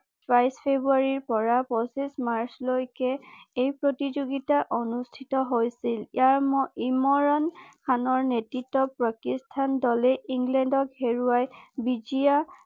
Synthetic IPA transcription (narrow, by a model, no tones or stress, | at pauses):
pɹajspʰebɹuaɹiɹpɔɹapɹɔsismaɹslojkɛejpɹotizoɡitaʔonustʰitɔɦojsilijaɹmɔimɔɹɔnkʰanɔɹnetɹitːɔpakistʰandɔlɛiŋɡlɛndɔkheɹuajbid͡ʒia